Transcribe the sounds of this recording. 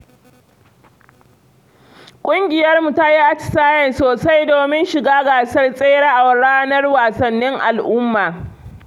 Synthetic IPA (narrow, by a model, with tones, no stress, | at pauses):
kʷʼʊ˦ŋɡʲɪ˨jɐ˦rmu˨ta˦ji˦ʔa˦t͡ʃɪ̥˨saː˦jɐ˨nsoː˨sa˦jdoː˨mɪ˦nʃɪ˨ɡaː˦ɡaː˨sɐ˦rsʼeː˦ɽaː˦ʔa˨wɐ˨ɽaː˦nɐ˦rwaː˨sɐ˨nːɪ˦ŋʔa˨lʔʊ˦mːaː˨